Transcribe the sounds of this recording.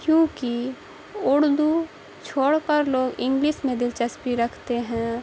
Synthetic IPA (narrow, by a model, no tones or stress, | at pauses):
kjõːki | ʊɽd̪u | t͡ʃʰoːɽkəɾloːɡɪ̃ŋɡliːʃmẽd̪ɪlt͡ʃəspiɾɐkʰt̪eɦɛ̃ː